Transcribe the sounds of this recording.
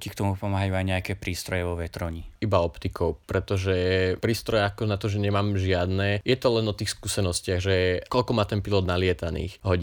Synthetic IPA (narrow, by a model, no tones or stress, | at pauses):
cikt̪ɔmupɔmaːɦajuajɲɛakɛpɾiːst̪ɾɔjɛʋɔʋɛt̪ɾɔɲiibaɔpt̪ikʰɔʊpɾɛt̪ɔʒɛpɾiːst̪ɾɔjɛakɔnat̪ɔʒɛɲɛmaːmʒɪad̪nɛːjɛt̪ɔlɛnɔt̪iːxskuːsɛnɔscɪaɣʒɛkɔʎkɔmaːt̪ɛnpilɔd̪nalɪɛt̪anḭːxɦɔɟi